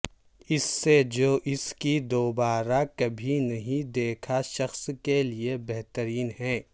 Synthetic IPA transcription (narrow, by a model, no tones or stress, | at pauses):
ɪsːed͡ʒoːʔɪskid̪oːbaːɾakɐbʱinɐɦĩd̪eːkʰaʃɐxskeliebɛɦt̪əɾiːnɦɛ̃ː